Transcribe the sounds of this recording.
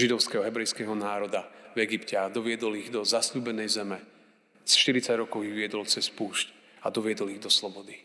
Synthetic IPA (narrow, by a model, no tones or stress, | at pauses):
ʒid̪ɔʊskɛɦɔɦɛbɾɛjskɛɦɔnaːɾɔd̪avɛɡipcɛad̪ɔʋɪɛd̪ɔliɣd̪ɔzasʎuːbɛnɛjzɛmɛ | sʃt̪iɾit͡saɟɾɔkɔʊiʋɪɛd̪ɔlt͡sɛspuːʃc | ad̪ɔʋɪɛd̪ɔliɣd̪ɔslɔbɔd̪i